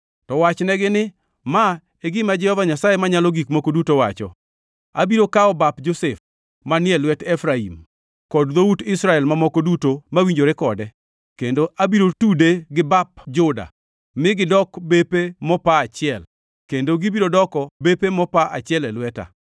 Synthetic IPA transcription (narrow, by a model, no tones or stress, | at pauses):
tɔwat͡ʃnɛɡɪnɪ | ma | eɡɪmad͡ʒɛhɔvaɲasajemaɲalɔɡikmokodutowa̰t͡ʃɔ̰ | a̰biɾokaɔbapd͡ʒosef | manɪɛlwɛtɛfɾaḭm | kɔdðoutɪsɾaɛlmamokodutomawiɲd͡ʒoɾekɔdɛ | kendoʔabiɾotudeɡɪbapd͡ʒʊda̰ | mɪɡɪdɔkbepemɔpaːt͡ʃɪɛl | kendoɡɪbiɾodɔkɔbepemɔpaʔat͡ʃɪɛlɛlwɛta̰